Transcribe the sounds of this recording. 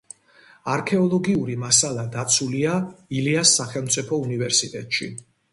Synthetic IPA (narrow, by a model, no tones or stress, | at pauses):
aɾkʰɛɔlˠɔɡiuɾimasalˠad̪at̪sʰuliailiasːaχɛlˠmt̪sʼipʰɔunivɛɾsit̪ʼɛt̪ʼʃḭ